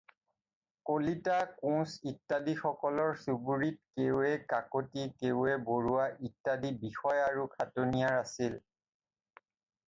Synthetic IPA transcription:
kolitakũsitːadixɔkɔlɔɹsuɡuɹit̚kewɛkakotikeʊɛboɹuwaʔitːadibixɔjaɹukʰatonijaɹasil

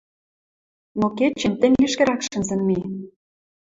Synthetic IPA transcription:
noket͡ɕĕnt̪ɘ̆ŋʲɡĕʃkĕɾɑkʃə̆nzə̆nmi

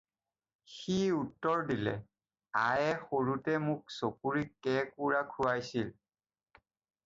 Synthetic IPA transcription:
xiutːɔɹdilɛ̰ | ajɛxoɹutɛmʊksokuɹikɛkuɹakʰuajsil

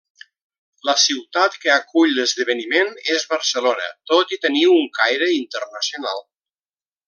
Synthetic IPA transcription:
ləsiwt̪at̪kəakuʎləzðəβənimenezβəɾsəlonə̰t̪ot̪it̪əniwuŋkajɾəint̪ərnəsiuna̰lˠ

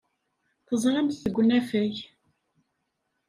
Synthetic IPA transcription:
θəzˤɾəmθθəɡʷːnæfæj

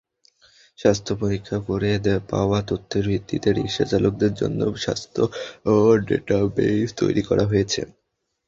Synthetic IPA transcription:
ʃast̪ʰopoɾikʰːakoɾed̪pa̰oat̪ot̪ʰːeɾbʱit̪ːit̪eɾḭkʃa̰t͡ɕalok̚d̪eɾd͡ʑo̰nːo̰ʃa̰st̪ʰooɖḛʈabest̪o̰jɾikɔɾʔaɦojet͡ɕʰḛ

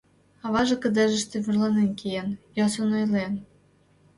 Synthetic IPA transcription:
ɑβɑʒĕkə̆d̪eʒə̆ʃt̪ĕβurlɑnenkejenjosonojlen

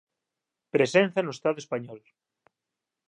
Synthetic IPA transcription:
pɾesenθanoest̪aðoespaɲɔl

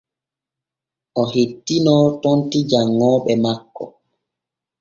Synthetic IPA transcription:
ʔɔhetːinɔːtɔntid͡ʒaŋːɔːɓɛmakːɔ̰

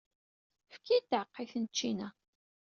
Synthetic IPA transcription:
fkid̪ʕəqːiθnt͡ʃːinæ

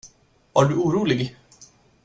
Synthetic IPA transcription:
vaːɖɵuːɾuːlɪɡ

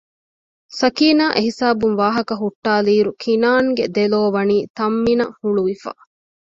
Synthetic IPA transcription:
sɐkiːnaːʔeɦisaːbumʋaːɦɐkɐɦuʈːaːliːɾukʰinaːŋɡed̪eloːʋɐniːt̪ɐmːinɐhuɭuʋifa̰

